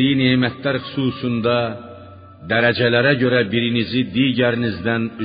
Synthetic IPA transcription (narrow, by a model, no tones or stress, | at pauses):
ijinemɛt̪ʰlæɾxy̥suːsund̪ɑ | d̪æɾæd͡ʒɛlæɾæɟøɾæbiɾinizid̪iːɟæɾinizd̪æny